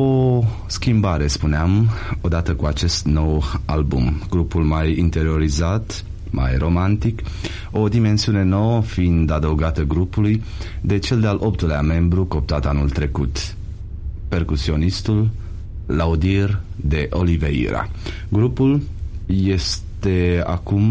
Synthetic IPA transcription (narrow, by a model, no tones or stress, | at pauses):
o | skʲimbaɾe̞spuneamo̞d̪at̪əkuat͡ʃe̞st̪no̞walbṵmɡ̥ɾupulmajint̪e̞ɾio̞ɾizat̪ | mʔa̰jro̞mant̪ik | o̞d̪ime̞nsiune̞no̞wəfiind̪ad̪əwɡat̪əɡɾupuluj | d̪e̞t͡ʃe̞ld̪ealʔo̞pt̪uleame̞mbɾuko̞p̚t̪at̪anult̪ɾe̞kut̪ | pe̞rkusio̞nist̪ulː | aud̪iird̪e̞ʔo̞liveḭɾa̰ | ɡɾupulje̞st̪e̞a̰kum